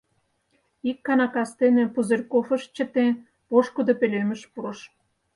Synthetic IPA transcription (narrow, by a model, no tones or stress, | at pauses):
ikːɑnɑkɑst̪enepuzerkofə̆ʃt͡ɕə̆t̪en | poʃkud̪opelemə̆ʃpuɾə̆ʃ